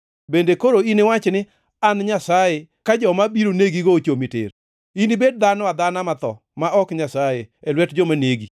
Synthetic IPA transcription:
bendekoɾoinɪwat͡ʃnɪ | anɲasaje | kad͡ʒɔmabiɾoneɡiɡot͡ʃomitɪ̰ɾ | inibed̚d̪anɔad̪anamat̪ɔ̰ | maɔkɲasajeɛlwɛtd͡ʒɔmaneɡi

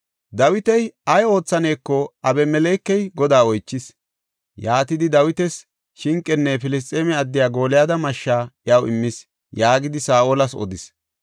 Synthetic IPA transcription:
d̪ɐwɪt̪ɛjɐjo̞ːt͡sːɐneːkːɔɐbɛmɛlɛːkːɛjɡɔd̪aːɔjt͡ʃːɪs | jaːt̪ɪd̪ɪd̪ɐwɪt̪ɛs | ʃɪŋkʼːɛnːɛfɪlɪs̬t̪ʼeːmɛɐd̪ːɪjaːɡo̞ːlɪjaːd̪ɐmɐʃːaːʔjɐwɪ̰mːɪs | jaːɡɪd̪ɪsaːʔolɐsɔ̰d̪ɪs

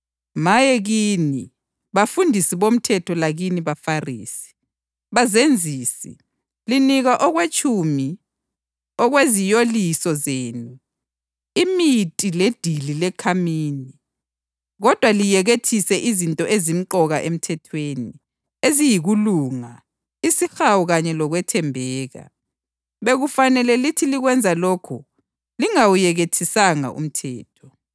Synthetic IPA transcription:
majɛɣini | βafundʱisiβom̩tʰɛtʰɔlaɣiniβafarḭːsi̥ | βazend͡zʱiːsḭ | liniɣaʔɔɣwet͡ʃʼumi | ɔɣwezijolisɔzeːnu | imitʼiled̥ʱililɛkʰamiːni | ɣɔd̥ʱwalijɛɣetʰisɛʔizintʼɔʔezim̩ǃɔɣaʔem̩tʰɛtʰweni | ezijiɣuluːŋa | isixawuɣaɲɛlɔɣwɛtʰɛmbʱɛːɣa̰ | βeɣufanɛlɛlitʰiliɣwɛnd͡zʱaloːkʰu | liŋawujɛɣetʰisaŋa̰ʔṵm̩tʰɛːtʰɔ̥

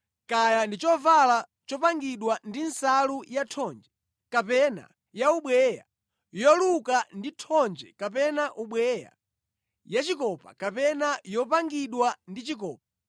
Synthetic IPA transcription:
kajandit͡ʃɔvala | t͡ʃɔpaŋɡiɗwandinsalujatʰɔnd͡ʒɛ | kapɛna̰ | jauɓwɛja̰ | jɔlukanditʰɔnd͡ʒɛkapɛnaʔuɓwɛja̰ | jat͡ʃikɔpa̰kapɛnajɔp̬aŋɡiɗwandit͡ʃikɔːp̚a

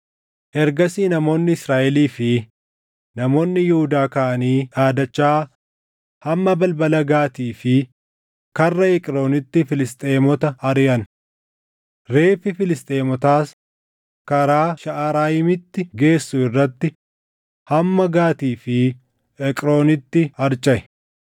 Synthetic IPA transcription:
ʔɛɾɡɐsiːnɐmo̞ːnːɪɪsɾaːʔɛliːfɪ | nɐmo̞ːnːɪjɪhʊd̪aːkɐʔɐniːaːd̪ɐt͡ʃːaː | hɐmːɐbɐlbɐlɐɡaːt̪iːfɪ | kɐrːɐɛkʼɾo̞ːnɪt̪ːɪfɪlɪst̪ʼeːmɔt̪ɐɐɾɪjɐn | ɾe̞ːfɪfɪlɪst̪ʼeːmɔt̪aːs | kɐɾaːʃɐʔaːɾaːjɪmɪt̪ːɪɡe̞ːsːʊɪrːɐt̪ːɪ | hɐmːɐɡaːt̪iːfɪ | ɛkʼɾo̞ːnɪt̪ːɪhɐɾt͡ʃʼɐʔɛ

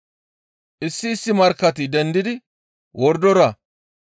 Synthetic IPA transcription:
ʔɪsːɪːsːɪmɐɾkːɐt̪id̪ɛnd̪ɪd̪ɪ | wɔɾd̪ɔɾɐ

